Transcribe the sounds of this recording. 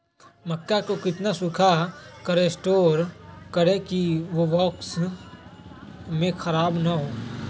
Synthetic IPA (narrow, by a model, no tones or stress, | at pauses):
məkːakokɪt̪nasʊkʰakəɾesʈoːɾkəɾẽkiʋoʋɔːks | mẽxʰəɾaːbnaɦoː